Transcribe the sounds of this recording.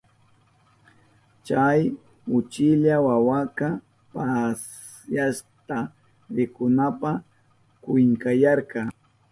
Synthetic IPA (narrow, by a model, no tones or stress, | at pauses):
t͡ʃaj | ʊt͡ʃɪʎawawaka | pas | jaʃt̪a | ɾɪkʊnapa | kʊjŋkajɑɾqɑ